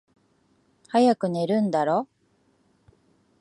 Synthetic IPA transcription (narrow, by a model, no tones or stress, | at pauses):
hajakɯ̟ne̞ɾɯ̟̃nd̪aɾo̞